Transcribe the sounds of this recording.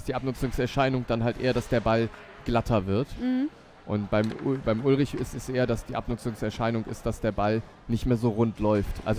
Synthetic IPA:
sd̥iːʔapnʊt͡sʊŋsɛɐʃaɪnʊŋd̥anɦaltʔḛːɐɾasd̥eːɐbal | ɡ̥latʰɐvɪɐt | ʔʊ̰ntb̥aɪmb̥aɪmʔʊlʁɪçɪstɛsʔeːɐdasd̥iːʔa̰pnʊt͡sʊŋsɛɐʃaɪnʊŋʔɪ̰st̚d̥asd̥eːɐbal | nɪçtmeːɐzoːʁʊntʰlɔʏftʔa̰lz

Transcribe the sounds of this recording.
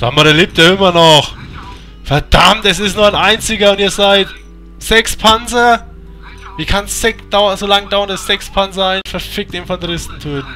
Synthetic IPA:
sa̰ːmaɾɛɐleːp̚taɪmɐnɔχ | fɛɐd̥amtɛsɪstnuːɐaɪnʔaɪnt͡sɪɡɐʊntiːɐzaɪt | z̥ɛkspʰanzɐ | viːkʰanssɛkd̥aʊɐzolaŋd̥aʊɐndasz̥ɛkspʰanzɐaɪnfɛɐfɪk̚tiːmnfɔndʁɪstn̩tʰoːt

